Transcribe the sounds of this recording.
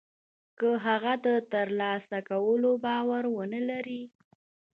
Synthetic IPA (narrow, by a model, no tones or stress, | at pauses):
kəɦaɣad̪ət̪əɾlɑsakawəlobɑwaɾwənəlaɾi